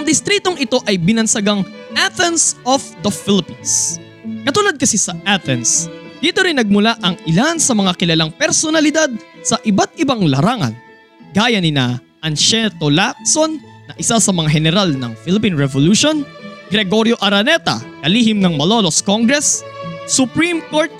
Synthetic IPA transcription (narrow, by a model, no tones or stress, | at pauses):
ʔɐŋd̪ɪst̪ɾit̪oŋɪt̪o̞ʔɐjbɪnɐnsɐɡɐŋʔaθɛnsofd̪ɐfilɪpins | kɐt̪ulad̪̚kɐsisɐʔat̪ɛnsd̪̥iːt̪o̞ɾɪnːɐɡ̚mʊlaʔɐŋʔɪlansɐmɐŋakɪlɐlaŋpɛɾsonɐlɪd̪ad̪̚sɐʔɪbat̪̚ɪbaŋlɐɾaːŋɐ̰n | ɡaːjɐnɪna̰ | ʔɐnʃɛt̪olak̚sonː | ɐʔɪsasɐmɐŋaɦɛnɛɾalnɐ̰ŋfɪlɪpinɹɛvoluʃon | ɡ̥ɾɛɡo̞ɾjo̞ʔɐɾɐnɛt̪ɐ̰kɐlihɪmnɐŋmɐlo̞loskoŋɡɾɛsːʊpɾimkoɹt̪̚